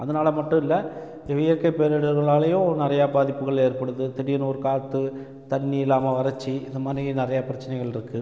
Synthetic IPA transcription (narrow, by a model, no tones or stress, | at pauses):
ɐðɐnaːlɐmɐʈːʊ̃ɪlːɐ | ʋɪjɐɾkɐɪpeːɾɛɽɯɾɣɐɭaːlɐjʊ̃nɪɾɐjabaːðɪpːɯɣɐɭeːɾpɐɽɯðɯt̪ɪɽɪjɐnuːɾkaːt̪ːɯ | t̪ɐɳːiɪlːaːmɐʋɐɾɐt͡ʃːiɪðɯmaːnrinɪrɐjapɪɾɐt͡ʃːɐnɐɪɣɐɭɪɾɯkːɯ